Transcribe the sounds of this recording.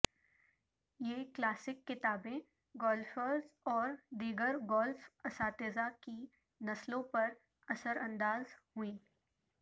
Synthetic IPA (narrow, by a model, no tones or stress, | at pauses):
jeːklaːsɪkːɪt̪aːbẽ | ɡɔːlfəɾzɔːɾd̪iːɡəɾɡɔːlfɐsaːt̪eːzaki | nɐslõpɐɾ | ɐsəɾʔɐ̃nd̪aːzhʊĩː